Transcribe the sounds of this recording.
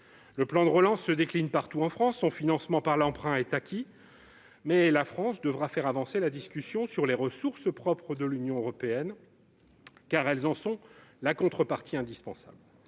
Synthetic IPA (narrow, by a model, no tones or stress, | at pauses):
ləplɑ̃d̪əʁəlɑ̃sːəd̪eklinpaʁt̪uɑ̃fχɑ̃sːɔ̃finɑ̃smɑ̃paʁlɑ̃pχɛ̃ɛt̪akʲʰi | mɛlafχɑ̃sd̪əvʁafɛʁavɑ̃selad̪iskʲysjɔ̃syʁleʁəsuʁspχɔpχəd̪əlynjɔ̃øʁɔpeɛn | kaʁɛlzɑ̃sɔ̃lakɔ̃t̪χəpaʁt̪iɛ̃d̪ispɑ̃sa̰bl